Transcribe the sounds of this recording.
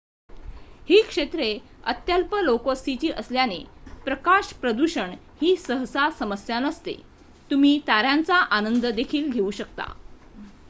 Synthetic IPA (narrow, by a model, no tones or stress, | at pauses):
hiːkʂet̪ɾeə̰t̪jalpəlokost̪it͡ɕiːʔəsljanepɾəkaɕpɾəd̪uɕəɳ | hiːsəɦsasəməsjanəst̪ḛ | t̪um̤iːt̪aɾjant͡saʔanənd̪əd̪ekʰiːlɡʱeuːɕəkt̪a̰